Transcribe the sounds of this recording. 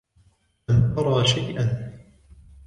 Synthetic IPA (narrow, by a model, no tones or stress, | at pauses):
ant̪ɑɾˤɑːʃajʔan